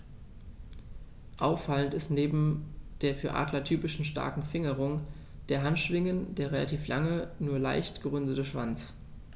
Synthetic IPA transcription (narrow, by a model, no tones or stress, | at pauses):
ʔaʊfːaləntɪstneːbm̩d̥eːɐfyːɐʔa̰ːdlɐtʰyːpɪʃn̩ʃta̰ɐkŋ̩fɪŋəʁʊŋ | d̥eːɐɦantʃv̥ɪŋəndeːɐʁela̰tʰiːflaŋənuːɐla̰ɪçtɡ̥əʁʏndətəʃv̥a̰nt͡s